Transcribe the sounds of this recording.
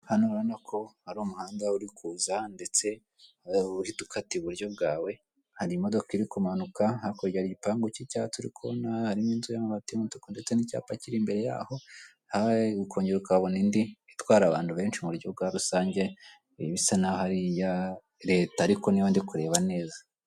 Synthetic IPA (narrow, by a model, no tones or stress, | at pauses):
hanuɾanakʰo̞haɾumuhaːndauɾikʰuːzande̞t͡se̞ | uhitu̥kʰatiβuɾjo̞bɡaːwe̞ | haɾimo̞do̞kiɾikumanukahakoɾɟaɾiipaːŋɡocicaːtuɾḭkʰo̰nahaɾimiːnzujamaβatimuntu̥konde̞t͡se̞nica̰ːpaciɾimbe̞ɾe̞ja̰ːho̞ | haɡukʰo̞ːɲɟeɾukaβo̞nindiitwaːɾaβaːnduβe̞ːnʃimuɾjo̞b̚ɡaɾusaːɲɟe̞ | βisanahaɾija | ɾe̞ːtaːɾiko̞nijondikuɾe̞ːβane̞ːza